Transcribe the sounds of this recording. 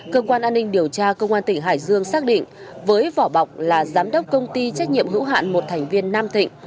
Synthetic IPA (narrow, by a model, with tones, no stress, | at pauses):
kəː˧kwaː˧nʔaː˧nːï˧ŋ̟ɗi˨˩əwt͡ɕaː˧kə˧wŋ͡mʔaː˧nt̪ï˩ŋ̟ɦa̰ː˧˨jzɨ˧əŋsaː˦˥k̚ɗḭ̈˧˨ŋ̟vəː˨˦jvɔ˧˩ɓa˨˩wk͡p̚laː˨˩zaː˨˦mɗə˦˥wk͡p̚kə˧wŋ͡mt̪i˧t͡ɕa˦˥k̚ɲḭ˧˨əmɦɨ̰˧˥wɦa̰ː˧˨nmo˨˩t̚t̪ʰɛ˨˩ŋ̟vi˧ənːaː˧mt̪ḭ̈˧˨ŋ̟